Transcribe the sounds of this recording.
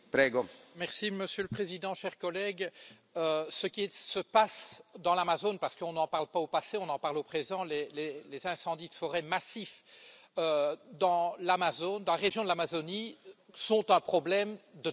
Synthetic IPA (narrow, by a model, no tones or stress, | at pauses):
pɾɛːɡomɛʁsiməsjøləpχezid̪ɑ̃ʃɛʁkɔlɛɡ | øsəkʲisəpasd̪ɑ̃lamazonpaʁsə̥kəɔ̃nɑ̃paʁlpaopaseɔ̃nɑ̃paʁlopχezɑ̃lelelezɛ̃sɑ̃d̪id̪əfɔʁɛmasifød̪ɑ̃lamazond̪ɑ̃laʁeʒjɔ̃d̪əlamazonisɔ̃t̪ɛ̃pχɔblɛmd̪ə